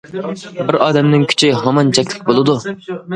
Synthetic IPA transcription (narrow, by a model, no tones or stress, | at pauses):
bɪɾɑːd̪ɛmnɪŋkʲʰy̥t͡ʃʰɪɦɑmɑnt͡ʃʰɛkʲlɪk̚ʲbolˠɨd̪u